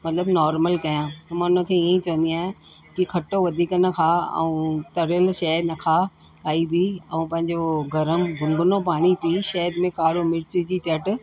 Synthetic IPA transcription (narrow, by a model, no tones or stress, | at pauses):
mɐt̪ləbnɔːɾməlkɐjãt̪ɐmãʊnə̆kʰẽːiẽt͡ɕɐʋə̃nd̪iaːɦẽ | kikʰɐʈoʋɐd̪ʱiːknɐkʰaɐ̰ũt̪ɐɾjəlʃɐənɐkʰa | aːibiɐũpɐ̃ɦɪ̃ɲd͡ʑoɡɐɾəmɡʊ̃ŋɡʱʊnopaːɽ̃ipiːʃɐɦəd̪mẽkaːɾomɪɾt͡ɕid͡ʑiːt͡ɕɐʈ̆